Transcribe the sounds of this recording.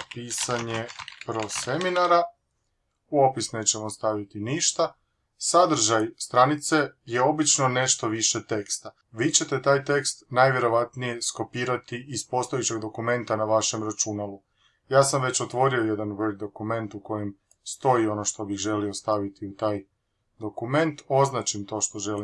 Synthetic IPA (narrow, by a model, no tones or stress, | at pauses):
piːsaɲepɾo̞se̞minaɾa | uo̞pisne̞ːt͡ɕe̞mo̞st̪aʋit̪iniʃt̪a | sad̪ɾ̩ʒajst̪ɾanit̪se̞je̞o̞bit͡ʃno̞ne̞ʃt̪o̞ʋiʃe̞t̪ekst̪a | ʋiːt͡ɕe̞t̪e̞t̪aːjt̪e̞kst̪najʋje̞ɾo̞ʋat̪nije̞sko̞piːɾat̪iispo̞st̪o̞jet͡ɕe̞ɡd̪o̞kume̞nt̪anaʋaʃe̞mɾat͡ʃunalˠu | jaːsamʋe̞t͡ɕo̞t̪ʋo̞ɾio̞je̞d̪anveɡ̚d̪o̞kume̞nt̪uko̞jem | st̪o̞io̞no̞ʃt̪o̞bixʒe̞lio̞st̪aʋit̪iut̪aːj | d̪o̞kume̞nt̪o̞znat͡ʃimt̪o̞ːʃt̪o̞ʒe̞li